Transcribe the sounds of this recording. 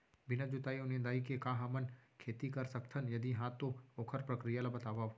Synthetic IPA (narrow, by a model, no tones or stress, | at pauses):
bɪnad͡ʒʊt̪aːionẽd̪aːikekãːɦɐmənkʰeːt̪ikɐɾsɐkt̪ʰənjɐd̪iɦãːt̪ːooːkʰəɾpɾɐkɾijalabɐt̪aːʋaʋ